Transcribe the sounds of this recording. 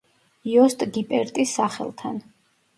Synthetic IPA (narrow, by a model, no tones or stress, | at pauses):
jɔst̪ʼɡipʼɛɾt̪ʼisːaχɛ̰lˠt̪ʰa̰n